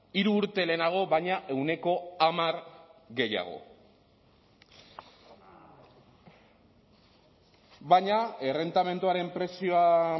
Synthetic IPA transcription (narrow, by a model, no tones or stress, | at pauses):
iɾuːɾt̪e̞le̞naɣ̞o̞βajɲaʔe̞wne̞ko̞amaɾɣe̞ja̰ɣ̞o̞̰ | βaɲaere̞nt̪ame̞nt̪uaɾe̞mpɾe̞sio̞a